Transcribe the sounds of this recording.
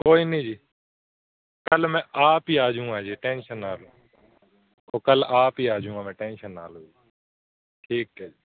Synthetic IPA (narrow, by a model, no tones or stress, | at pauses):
koːiːnəĩːd͡ʒiː | kəlmɛ̃ːʔaːpiːaːd͡ʒũːãːd͡ʒeːʈẽːnʃənːaːloː | oːkəlaːpiːaːd͡ʒũːãːmɛ̃ːʈɛːnʃənaːloːd͡ʒi | ʈʰiːkɦɛːd͡ʒiː